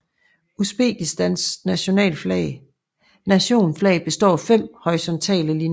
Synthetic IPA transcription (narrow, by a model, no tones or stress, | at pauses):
usb̥ḛːɡ̥isd̥ænsnæɕo̝nɛ̰ːlflɛ̰ɪ | næɕo̝̰ːnflɛɪb̥e̝sd̥ɒ̰ːfem̰hɒ̽isɒ̽nt͡sʰɛ̰ːləli